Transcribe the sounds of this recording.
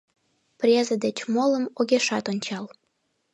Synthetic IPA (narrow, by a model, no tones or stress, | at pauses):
prʲezəd̪et͡ɕmoləmoɣeʃɑt̪onʲt͡ɕɑl